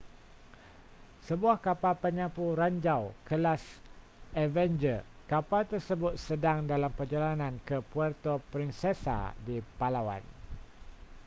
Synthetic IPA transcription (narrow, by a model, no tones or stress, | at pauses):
səbuahkapalpəɲãpuɾaɲd͡ʒawkəlas | ɛvɛnd͡ʒə | kapalt̪ərsəbʊt̪̚sədaŋdalampərd͡ʒalanãnkəpuərt̪opɾinsɛsa̰dipalawa̰n